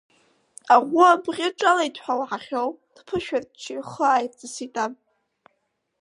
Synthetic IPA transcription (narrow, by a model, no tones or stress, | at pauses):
aʁʷʊabʁʲɪʈ͡ʂʼalaitʰħʷawħaχʲowd̥ʰpʰɨʃᶣart͡ʃʰiχəaːjt͡sʼɨsitʼam